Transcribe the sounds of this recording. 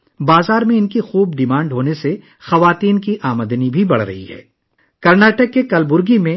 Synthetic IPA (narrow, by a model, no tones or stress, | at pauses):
baːzaːɾmẽɪnkixuːbɖɪmãːɳɖɦoːnese | xɐʋaːt̪iːnkiʔaːməd̪nibʱibɐɽ̤ɾɐ̰ɦḭɦɛ̰ː | kɐɾnaːʈəkːekɐlbʊɾɡimẽ